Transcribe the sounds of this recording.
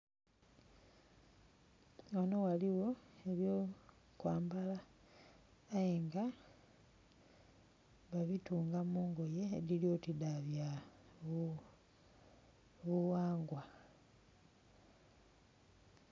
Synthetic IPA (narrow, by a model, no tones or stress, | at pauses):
ono̞waliwo̞e̞βjo | kwaːmbala | jeŋɡa | βaβituːŋɡamuːŋɡo̞je̞̰ːliljo̞tidaβja | βuwaːŋɡwa